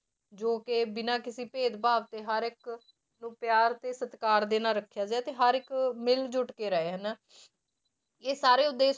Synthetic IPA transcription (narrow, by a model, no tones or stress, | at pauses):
d͡ʒoːkeːbɪnaːkɪsiːpeːd̪baːʋt̪eːɦəɾɪk | nũːpjaːɾt̪eːsət̪kaːɾd̪eːnaːɾəkʰːjaːd͡ʒaːt̪eːɦəɾɪkmɪld͡ʒʊʈkeːɾəeːɦənː | eːsaːɾeːʊd̪ːeː